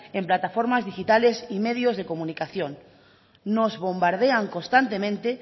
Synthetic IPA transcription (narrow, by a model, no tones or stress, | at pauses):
emplat̪afoɾmazðixit̪alesimeð̞jozð̞ekomunikaθjõn | nozβo̞mbaɾð̞eaŋkonst̪ant̪emẽnt̪e